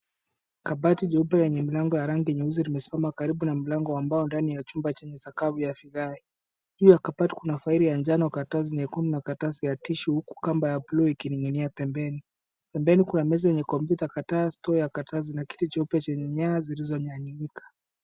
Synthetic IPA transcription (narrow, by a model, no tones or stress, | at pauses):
kaɓatiʄɛupɛjɛɲɛmilaŋɡɔjaɾaŋɡiɛɲɛuzilimɛsi̥mamakaɾiɓunam̩laŋɡɔwambaɔndanijat͡ʃumbat͡ʃɛɲɛsakavujafiɣai | ʄuːjakabati̥kunafaiɾijand͡ʒanɔkataziɲɛkɔmunakatasijatiʃihuku̥kambajaplɔikiniŋiniapɛmbɛni | pɛmbɛnikunamɛzijɛɲɛkɔmbutakataːstɔːjakatʰazinaki̥tit͡ʃɛupɛt͡ʃɛɲɛɲaːzilizɔɲaɲiɲikḁ